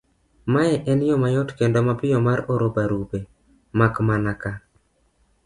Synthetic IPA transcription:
majɛʔɛnjɔmajɔtkendomapɪjɔmaɾoɾobaɾube | makmanaka

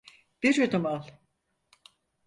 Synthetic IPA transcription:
b̥iɾød̪umalˠ

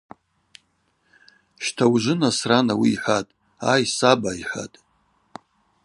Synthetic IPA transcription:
ʃtʰawʒʷɨnasranawiːħʷatʼ | ajsabaiħʷa̰tʼ

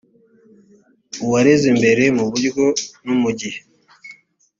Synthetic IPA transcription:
uwaɾezembe̞ɾe̞muβuɾɡonumuɟih

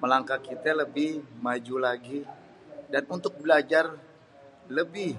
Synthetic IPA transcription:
məlaŋkakit̪aləbɪhmad͡ʒulaɡi | danunt̪ʊk̚bəlad͡ʒar | ləbɪh

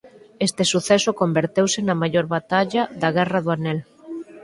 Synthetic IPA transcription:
est̪esuθɛsʊkombeɾt̪ewsɪnɐmaʎoɾβat̪aʎaðaɣɛrɐðʊanɛl

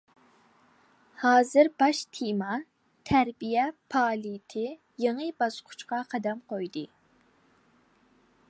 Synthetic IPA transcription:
hɑːzɨɾbɑʃt̪ʰemɑ | t̪ʰæɾbijɛpʰɑːlit̪ʰɪ | jeŋɨbɑsqʰʊ̥t͡ʃqɑqʰɑd̪ɑmqʰojd̪ɨ

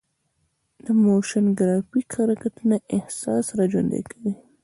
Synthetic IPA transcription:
d̪̥əmoʃanɡɾɑfikxaɾakat̪unaʔɪhsɑsɾɑd͡ʒond̪ḛkʰawi

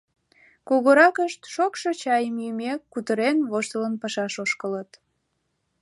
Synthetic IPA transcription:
koɣoɾɑkəʃt̪ʃokʃot͡ɕɑjəmjymʲekːut̪əɾenβoʃt̪ələnpɑʃɑʃoʃkələt̪

